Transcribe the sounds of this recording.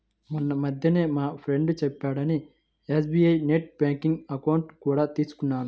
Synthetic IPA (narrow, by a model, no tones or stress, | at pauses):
munːɐmɐd̪ʱjɐneːmaːpʰɾe̞ɳɖut͡ʃɛpːaːɽɐni | eːsbiːɐjneʈ̚baːŋkiŋɡɐkɐwuɳʈkuːɽaːt̪iːsu̥kunːaːnu